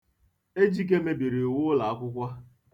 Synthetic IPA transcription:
e˦d͡ʒi˦k̬e˦me˦bi˨ɾe˨wʊ˦la˨a˦kʷʊ˦kʷa˦

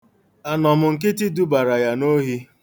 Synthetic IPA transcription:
a˨nɔ˨mʊ˨ŋ̩˨k̬ɪ˦ti˦du˦ba˨ɾa˨ja˨no˦ɦi˦

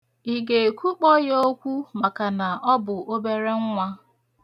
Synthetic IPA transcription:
i˨ɡe˨kʷu˦k͡pɔ˦jo˦kʷu˦ma˨ka˨na˨ʔɔ˦bʊ˨ʔo˦be˦ɾe˦ŋ̩˦ŋʷa˦

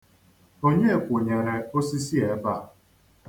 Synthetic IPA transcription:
o˦ɲe˦e˨kʷʊ˨ɲe˨ɾe˨o˦si˦si˦e˨˦ba˦˨

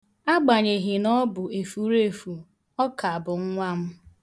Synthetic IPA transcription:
a˦ɡ͡ba˨ɲe˨ɦi˨nɔ˦bʊ˨e˨fu˨˦ɾe˦˨fu˨ | ɔ˦ka˨a˨bʊ˨ŋ̩˦ŋʷa˦m̩˦

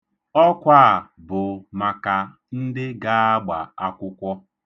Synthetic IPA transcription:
ɔ˦kʷa˦˨ | bʊ˨ma˨ka˨ | n̩˦dɪ˦ɡa˦a˦ɡ͡ba˨a˦kʷʊ˦kʷɔ˦

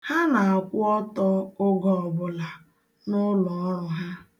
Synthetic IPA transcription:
ha˦na˨a˨kʷʊ˦ɔ˦tɔ˦o˦ɡɔ˨ɔ˨bʊ˨la˨ | nʊ˦lɔ˨˦ɾʊ˨ɦa˦

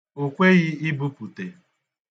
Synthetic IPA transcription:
o˨kʷe˦ɣɪ˦ɪ˦bu˦pu˨te˨

